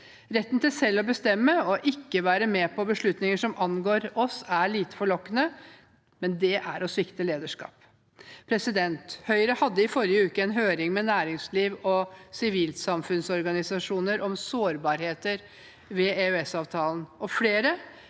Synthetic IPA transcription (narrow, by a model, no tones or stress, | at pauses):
ɾɛt̪ːnt̪ɪlsɛlːɔbəst̪ɛmːəɔʔɪkːəʋæːɾəmɛpʰɔbəʂɭʉt̪nɪŋəʂɔmʔɑnɡoːɾɔsæɭiːt̪ə̥fɔɭɔkːənə | mɛnd̪ɛʔæɾɔsʋɪkt̪əleːd̪əʂkɑ̰ːp | pʰɾɛsɪd̪ɛnt̪hœʏɾəhɑd̪ːəɪfɔɾɪəʉːkəɛnɦøːɾɪŋmɛnæːɾɪŋsliːʋɔsɪʋiːlsɑmfʉnsɔɾɡɑnɪsɑʂuːnəɾʔɔmsoːɾbɑːɾheːt̪əɾ | ʋɛeʉɛsɑːʋt̪ʰɑːln̩ɔfleːɾə